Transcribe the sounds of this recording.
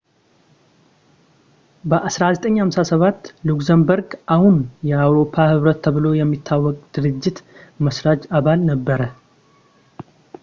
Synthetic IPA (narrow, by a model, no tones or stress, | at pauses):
bəʔasɾazət̪ʼəɲːhamsasəβat̪ːlukzəmbəɾɡʔahunjɛawɾo̞pʰːahɨβɾət̪ʰːəβɨlo̞jɛmːit̪ʰːawːɔkʼd̪̥ɨɾɨd͡ʒːɪt̪məsɾad͡ʒaβalnəbːəɾə